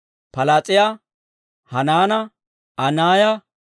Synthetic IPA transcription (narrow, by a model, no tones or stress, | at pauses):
pɐlat͡sʼɪja | hɐnaːnɐ | ʔɐnaːjɐ